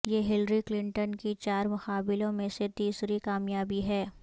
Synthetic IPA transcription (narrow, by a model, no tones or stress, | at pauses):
jeːɦɪlɾiklɪ̃ɳʈənkit͡ʃaːɾmʊxaːbɪlõmẽset̪iːsɾikaːmjaːbiɦɛː